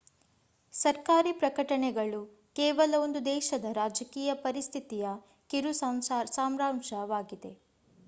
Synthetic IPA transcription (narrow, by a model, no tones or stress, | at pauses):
sɐɾkaːɾiːpɾɐkɐʈɐɳɛɡɐɭu | kɛːʋɐlɐʋond̪ud̪ɛːʃɐd̪ɐɾaːd͡ʒɐkiːjɐpɐɾist̪ʰit̪ijɐ | kiɾusamsaːmɾaːmʃɐʋaːɡid̪e̞